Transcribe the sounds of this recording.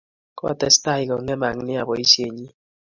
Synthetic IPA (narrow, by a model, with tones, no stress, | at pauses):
kɔ˦a̰˦˨tɛ˦sta˦i˨kɔ˨ŋ˦ɛ˦ma˨ŋ˦nɪ˦a˨bɔ˨i˦sje˨ɲi˦